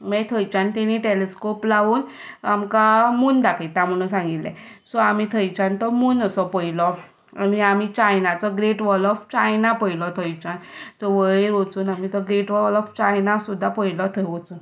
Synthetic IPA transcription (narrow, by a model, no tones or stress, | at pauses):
mɛt̪ʰəjt͡ɕant̪ɛniʈeleskoplaʋuːn | amkamuːnd̪akʰət̪ãm̤əɽ̃ũsãŋɡit̪lɛ̰sɔamit̪ʰəjt͡ɕant̪ɔmuːnəsɔpəilɔ | amiamit͡ɕajnat͡sɔɡɾeʈʋɔlɔft͡ɕajnapəilɔt̪ʰəjt͡ɕant͡sɔʋəeɾʋot͡suːnamit̪ɔɡɾeʈʋɔlɔft͡ɕajnasud̪ʱːapəilɔt̪ʰəjʋɔt͡suːn